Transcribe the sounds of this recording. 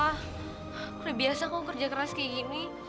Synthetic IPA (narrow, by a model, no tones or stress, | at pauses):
ɾabiasakukərd͡ʒakəɾaskeɡimi